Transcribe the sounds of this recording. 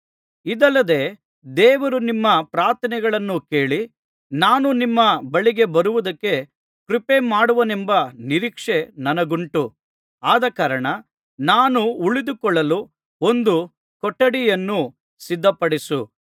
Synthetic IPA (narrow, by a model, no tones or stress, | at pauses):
id̪ɐlːɐd̪e̞ː | d̪ɛːʋɐɾunimːɐpɾaːɾt̪ʰɐnɛɡɐɭɐnːuke̞ːɭi | naːnunimːɐbɐɭiɡe̞bɐɾuʋud̪ɐkːe̞ | kɾipe̞maːɽuʋɐnembɐniɾiːkʂe̞nɐnɐɡuɳʈu | aːd̪ɐkaːɾɐɳɐ | naːnuːɭid̪ukɔɭːɐlu | o̞nd̪u | kɔʈːɐɽijɐnːu | sid̪ʱːɐpɐɽisu